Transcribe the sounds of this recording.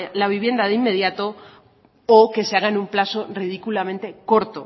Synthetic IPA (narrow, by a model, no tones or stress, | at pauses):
laβ̞iβje̞nd̪aðeimːe̞ðjat̪oː | ke̞se̞aɣ̞aenumplasorið̞ikulamẽ̞nt̪e̞ko̞ɾt̪o